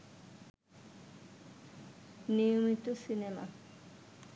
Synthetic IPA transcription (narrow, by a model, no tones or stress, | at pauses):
nijomit̪osinema̰